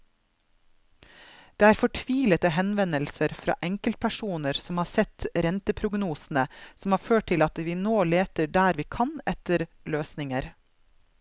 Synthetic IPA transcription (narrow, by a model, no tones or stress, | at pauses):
d̪̥eːæːɾfɔʈʰʋiːlət̪əɦɛnʋɛnəlsəɾfɾɑ̰ːʔɛŋkəlt̪̚pʰæʃuːnəɾsɔmhɑːɾsɛt̪ɾɛnt̪əpʰɾʊɡnuːsn̩əsɔm̩hɑːɾføːʈ̚ʰɪlɑt̪ʋiːnoːleːt̪əɖæːɾʋiːkʰɑnɛt̪əɾ | løːsnɪŋəɾ